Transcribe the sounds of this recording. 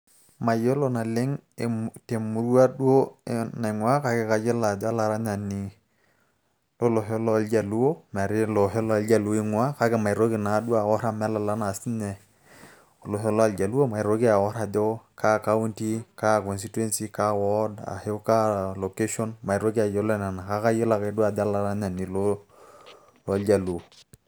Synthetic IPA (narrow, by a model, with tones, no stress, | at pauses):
ma˨jo˦lo˨na˨le˦ŋte˨mu˨ɾwa˦ɗwo˦na˨i˨ŋwa˦ka˦ke˦ka˨d͡ʒe˦la˨da˦la˨ɾa˦ɲa˨ni˨ | lo˦lo˨ɦe˦lɔ˦˨ld͡ʒa˨lu˦o˦mɛ˨ɾɪ˦lo˨ɦe˦lɔ˦a˨˦ld͡ʒa˨lu˨˦i˦ŋwa˦ka˦ke˨ma˨i˨ɾo˦ki˨na˨˦dwa˨wɔ˦ɾa˦mɛ˦la˨la˦na˨si˦nɛ˨ | o˨lo˨ɦe˦lɔ˦a˨ld͡ʒa˨lu˦o˦ma˨ɪ˨ɾo˦ki˦a˨wɔ˦ɾa˨dɔ˦kʰa˦ka˦u˦nti˦ka˦kɔ˨ns̬i˦twɛ˦nsi˦ka˦wɔ˦da̰˨he˦ka˦lo˨ke˦ʃɔ˦nma˨i˨ɾo˦ki˦a˨jɔ˦lɔ˦na˨na˨ka˦ka˦je˦la˨ka˨˦dwa˦˨da˦la˨ɾa˦ɲa˨ni˨lo˦ | lɔ˨ld͡ʒa˨lu˨o˨